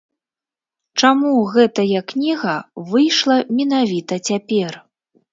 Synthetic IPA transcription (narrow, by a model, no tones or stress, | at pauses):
t͡ʂamuɣɛt̪ɐjɐknʲiɣɐvɨjʂlˠɐmʲinavʲit̪ɐt͡sʲapʲɛr